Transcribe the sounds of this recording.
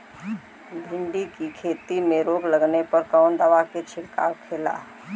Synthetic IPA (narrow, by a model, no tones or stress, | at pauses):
bʱɪ̃ɳɖikikʰeːt̪imẽɾoːɡləɡnepɐɾkaʊnd̪əʋaket͡ʃʰɪɾka̰kʰeːla̰ː